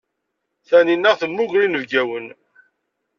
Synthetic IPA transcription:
θæninːæʁθənːuʝɾinəvɡæwən

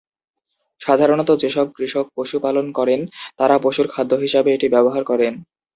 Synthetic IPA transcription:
ʃad̪ʱaɾonɔt̪od͡ʑeʃɔb̚kɾiʃok̚poʃupalonkɔɾent̪aɾapoʃuɾkʰad̪ʱːoɦiʃabeeʈibɛboɦaɾkɔɾen

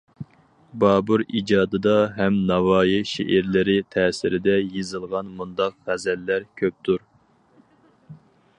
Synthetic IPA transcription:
bɑːbuɾid͡ʒɑːd̪ɨd̪ɑɦɛmnɑwɑːjiʃḛʔɪɾlɪɾɪt̪ʰɛːsɪɾɪd̪ɛjezɨlˠʁɑnmund̪ɑqʁæzɛlːæɾkʲʰøp̚t̪ʰuɾ

